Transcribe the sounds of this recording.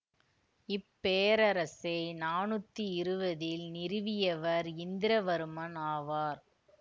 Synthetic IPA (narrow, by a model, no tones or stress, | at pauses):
ɪpːeːɾɐɾɐsɐɪnaːnɯt̪ːiɪɾɯbɐðɪlnɪɾɯʋɪjɐʋɐɾɪnd̪ɪɾɐʋɐɾɯmɐnaːʋaːɾ